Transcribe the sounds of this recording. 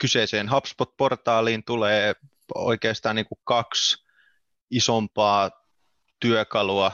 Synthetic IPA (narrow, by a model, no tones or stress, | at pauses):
kyseiseːnɦɑpspot̪̚port̪ɑːliːnt̪uleː | o̰ikeːst̪ɑːniːŋkukɑks | isompɑː | t̪yøkɑluɑ